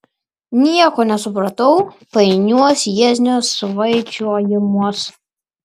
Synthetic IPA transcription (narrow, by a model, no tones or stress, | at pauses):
nʲiɛkɔnʲɛsʊpɾɐt̪ɔwpɐjnʲuɔsʲjɛzʲnʲosʋɐjt͡ʃʲuɔjɛmuɔs